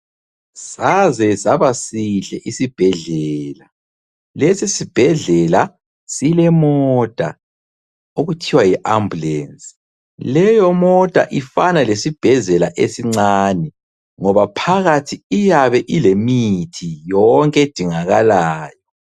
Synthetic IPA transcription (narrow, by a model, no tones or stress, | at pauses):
sazɛzaβasiɬɛʔisib̥ʱɛɮɛːla | lesisib̥ʱɛɮɛla | silɛmɔd̥ʱa̰ | oɣutʰiwajiʔambulɛnsʼi̥ | lɛjɔmɔd̥ʼʱa̰ʔifanalesib̥ʱɛɮɛlaʔesiŋ͡ǀaːnɛ | ŋɔβapʰaɣatʰiijaβɛʔilemitʰijɔŋkʼɛd̥ʱiŋaɣalaːjɔ